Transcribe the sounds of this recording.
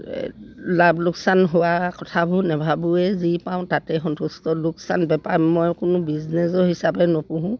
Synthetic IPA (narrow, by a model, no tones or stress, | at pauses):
labluksanɦowakɔtʰabʱʊnɛbʱabuɛzipãʊ̃tatɛxɔntustɔluksanbɛpaɹmɔjkʊnʊbiznɛzɔhisabɛnɔpuɦũ